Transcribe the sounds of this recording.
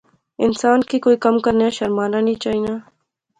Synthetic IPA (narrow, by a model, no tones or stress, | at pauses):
ɪnsaːnkikoːikɐmkɐɾneaʃɐɾmaːnanĩt͡ʃaːɦiːnaː